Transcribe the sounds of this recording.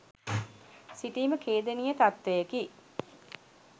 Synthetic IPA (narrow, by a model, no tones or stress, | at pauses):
siʈiːməkʰeːd̪enijət̪at̪ʋejəki